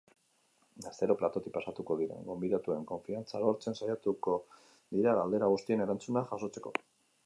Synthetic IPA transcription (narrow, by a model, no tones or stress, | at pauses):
ɡast̪e̞ɾo̞plat̪o̞t̪ipasat̪uko̞ðiɾe̞̰ŋɡo̞mbiðat̪ue̞ŋko̞ɱfiant͡salo̞ɾt͡se̞nsajat̪uko̞ | d̪iɾaɣald̪e̞ɾaɣ̞ust̪ie̞ne̞ɾant͡sunaxaʃo̞t͡se̞ko̞